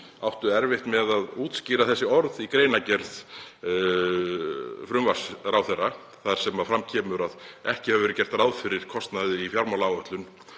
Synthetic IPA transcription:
awht̪ʏɛɾvɪht̪mɛðaðuːt̪sciːɾaθɛsːɪɔɾðikɾeːjnacɛɾð | fɾʏmvḁsɾawθɛrːa | θaɾ̥sɛmafɾamcʰɛːmʏɾaðɛhcɪhavʏvɛɾʏ̥cɛr̥t̪ɾaːwðfɪɾɪɾ̥kʰɔst̪naðɪifjaɾmalaːwœht̪lʏn

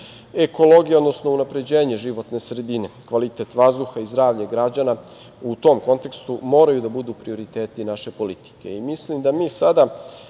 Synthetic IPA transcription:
e̞ko̞lˠo̞ɡijao̞d̪nosnounapɾe̞d͡ʑe̞ːɲe̞ʒiʋo̞t̪ne̞sɾe̞d̪ine̞kʋalit̪e̞t̪ʋazd̪uxaizd̪ɾaːʋʎaɡɾad͡ʑana | ut̪o̞mko̞nt̪e̞kst̪umo̞ːɾajud̪abud̪uːpɾio̞ɾit̪e̞ːt̪inaʃe̞po̞lit̪i̥ke̞̰imislimd̪amiːsad̪a

